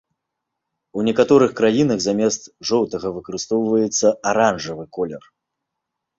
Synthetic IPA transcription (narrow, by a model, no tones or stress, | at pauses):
unʲɛkat̪ɔɾɨxkɾajinɐɣzamʲɛst̪ʐɔwt̪ɐɣɐvɨkɐɾɨst̪ɔwvɐjɛt̪sːɐaɾanʐɐvɨkɔlʲɛr